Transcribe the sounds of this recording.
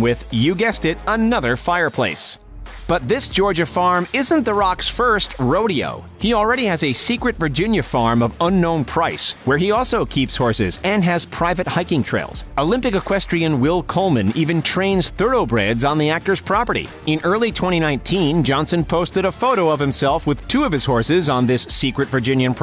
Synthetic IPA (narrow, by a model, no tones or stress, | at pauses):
wɪðjɨɡɛstɪɾənʌðə˞faɪə˞pʰl̥ḛɪs | b̥ʌt̪̚ðɪsd̥ʒ̥ɔɹd͡ʒɨfɑɹmɪzɨ̃nðəɹɑksfɜ˞st̚ɹoʊɾio̰ʊ | hil̩ˠɹɛɾiɨzɨsikɹɨtvə˞d͡ʒɪ̃njɨfɑɹmʌvʌ̃nːõʊ̃npʰɹ̥aɪswə˞iɔlˠsoʊkʰipshɔɹsɪ̰zɨ̃nɨz̥pʰɹ̥aɪvɨt̚haɪkɪ̃ŋtʰɹ̥ḛɪlˠz̥oʊlɪ̃mpɨkɨkʰw̥ɛstɹ̥iɨ̃nwɪlˠkʰoʊlˠmɨ̃nivɨ̃ntʰɹ̥ẽɪ̃nz̥θɜ˞ɾoʊbɹɛdzn̩ðiæk̚tə˞z̥pʰɹ̥ɑpə˞ɾḭ | ɨ̃nɜ˞lˠitʰw̥ɛ̃ɾ̃iñãɪ̃ntʰĩnd͡ʒɑ̃nsɨ̃npʰoʊstɨɾəfoʊɾoʊʌv̥hɨ̃msɛlˠfwɨð̥tʰuʌv̥ɨz̥hɔɹsɪzn̩ðɪsːikɹɨtvə˞d͡ʒɪ̃njɨ̃npʰ